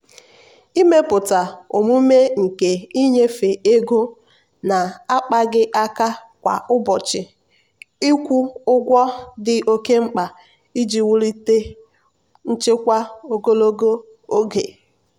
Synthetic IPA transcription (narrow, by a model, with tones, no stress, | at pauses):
i˦me˦pʊ˨ta˨o˨mu˦me˦ŋ̩˨ke˨i˦ɲe˦fe˨ʔe˦ɡo˦ | na˨a˦k͡pa˦ɡɪ˦ʔa˦ka˦ | kʷa̰˨ʔʊ˦bɔ˨t͡ʃɪ˨ | i˦kʷu˦ʊ˦ɡʷɔ˦dɪ˦ʔo˦ke˦ŋ͡m̩˦k͡pa˨ | i˦d͡ʒi˨wu˦ɾi˦te˦ | n̩˦t͡ʃɪ˦kʷa˦o˦ɡo˦lo˦ɡo˦ | o˦ɡe˨